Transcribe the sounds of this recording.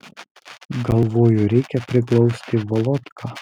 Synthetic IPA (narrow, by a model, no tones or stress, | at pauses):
ɡɐlˠʋoːjʊɾʲɛɪkʲɛpʲɾʲɪklˠɔʊsʲt̪ʲɪʋɔlˠɔt̪kʰaː